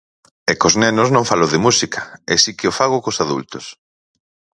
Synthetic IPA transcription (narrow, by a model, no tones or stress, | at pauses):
ɛkoznɛnʊznõŋfaloðɪmusikʰɐ̥ɛ̰sikɪofaɣ̞ʊkosaðṵlt̪os